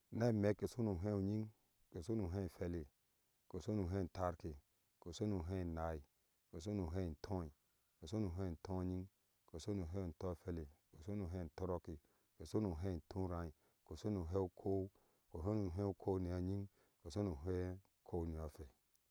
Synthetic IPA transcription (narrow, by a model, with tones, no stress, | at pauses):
ne˦˨me˦ke˨su˦nu˨ɦe˦u˨ɲi˦ŋ | ke˨su˦nu˨ɦẽ˦˨fe˨le˨ | ko˨so˦nu˨ɦẽ˦˨n̩˨ta˦ɾki˨ | ko˨so˦nu˨ɦe˦˨na˨i˨ | ko˨so˦nu˨ɦe˦˨tʰo˦i˨ | ko˨so˦nu˨ɦe˦˨n̩˨tʰõ˦ɲi˦ŋ | ko˨so˦nu˨ɦe˦˨to˦˨fe˦le˨ko˨so˦nu˨ɦe˦˨to˦ɾo˦ki˨ | ke˨so˦nu˨ɦe˦˨n˨tʰũ˦ɾã˨i˨ | ko˨so˦nu˨ɦe˦u˦kʰo˦ | ko˨ɦe˦nu˨ɦẽ˦u˨kʰo˦ni˨a˨ɲi˦ŋ | ko˨so˦nu˨ɦe˦ | kʰo˦ni˨a˨fɛ˨